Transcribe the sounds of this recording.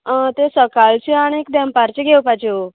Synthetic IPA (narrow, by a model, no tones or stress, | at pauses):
ət̪esəkalt͡ɕeaɽ̃iek̚d̪ɛ̃mpaɾt͡ɕeɡʱewpad͡ʑeo